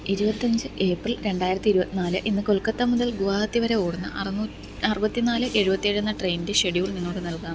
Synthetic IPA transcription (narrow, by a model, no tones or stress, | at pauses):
iɾubɐt̪ːɐɲd͡ʑɨʔe̞ːprilɾe̞ɳɖaːjiɾɐt̪ːiɾubɐt̪ːinaːlɨ̰ʔinːɨko̞lkɐt̪ːɐmuðɐlɡuʋaːhɐt̪ːiʋɐɾe̞oːɽɐnːɨ̰ʔɐrnuː | ɐrɨbɐt̪ːinaːlɨʔe̞ɻubɐt̪ːijeɻunːɐʈrejnide̞ɕeɽiʋiɭniŋːo̞ːɽɨnɐlkaː